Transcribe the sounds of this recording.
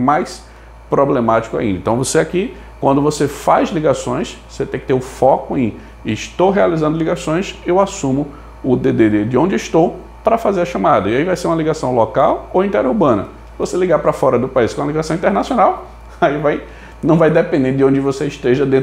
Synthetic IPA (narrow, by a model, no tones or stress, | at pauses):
majs | pɾoblemat͡ʃi̥kʊa̰ĩd̪ɐɪ̃t̪ɐ̃w̃voseaki | kwɐ̃nd̪ʊvosefazliɡasõj̃svoset̪ẽkɪt̪eɾʊfɔkʊẽj | ɪʃt̪owɦealizɐ̃nd̪ʊliɡasõj̃sewasũmʊ | ʊd̪ed̪ed̪ed̪ɪõd͡ʒɪeɪʃt̪ow | pɾɐfazeɾɐʃɐ̃mad̪ɐiaivajseɾũmɐliɡasɐ̃w̃lɔkawowĩnt̪ɛɾuɾbɐ̃nɐ̰ | voseliɡaɾpɾɐfɔɾɐd̪ʊpaiskõɐliɡasɐ̃w̃ĩt̪ɛɾnasjõnaw | aivaj | nɐ̃w̃vajd̪ɛpẽnd̪ẽd̪ɪõd͡ʒɪvoseɪʃt̪eʒɐd̪ẽ